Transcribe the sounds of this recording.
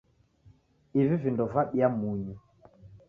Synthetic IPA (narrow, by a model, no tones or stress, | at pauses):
ivivindɔvaɓjamuɲi